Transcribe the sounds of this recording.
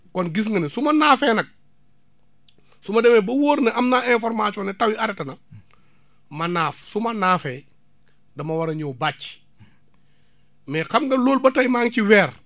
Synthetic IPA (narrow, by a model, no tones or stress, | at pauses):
kɔnɡis̬ŋɡɐnesumɐnaːfɛːnɐk̚ | sumɐdɛmɛbɐwoːɾnɐʔɐmnaːʔɛ̃fɔɾmasɔnɛtɐwiɐdɛtɐnɐ | mɐnaːfsumɐnaːfɛ | dɐmɐwɐɾɐɲɔːbac | mɛxɐmɡɐloːlbɐtɐjmaːŋciwɛːɾ